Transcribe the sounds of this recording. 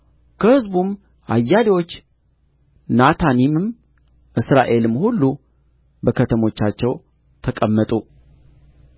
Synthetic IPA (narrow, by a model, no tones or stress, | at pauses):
kʰəhɨzbum | ʔa̰jːad̪ewo̞t͡ʃː | nat̪ʰanimɨm | ʔɨsɾaʔe̞lɨmːhulːu | bəkʰət̪ʰəmo̞t͡ʃːat͡ʃːɛw | t̪ʰəkʼəmːət̪ʼu